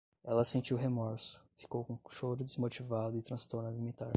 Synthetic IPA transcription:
ɛlɐsẽnt͡ʃiwɦemɔɾsʊ̥fi̥kowkõʃoɾʊd̪ezmot͡ʃivad̪ʊɪt̪ɾɐ̃st̪oɾnɐlimĩt̪aɾ

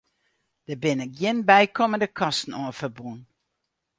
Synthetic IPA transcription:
d̥əbɪnɛkjinbɛjkoməndəkʰɑstn̩ɔːfərbun

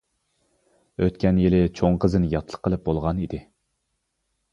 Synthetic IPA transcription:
øt̪kʲɛnjelɪt͡ʃʰoɴqəzɨnjɑt̪ʰlˠə̥qʰːəlˠɨp̚bolˠʁɑnid̪ɪ

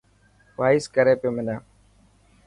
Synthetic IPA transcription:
ʋaːɪskəɾeːpjoːmɪ̃naː

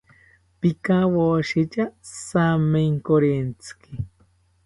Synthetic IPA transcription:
pikawoʃit͡ʃasameŋkoɾent͡ski

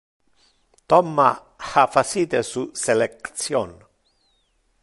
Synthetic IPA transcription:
t̪ɔmːa | hafasit̪esuselekt̪sjon

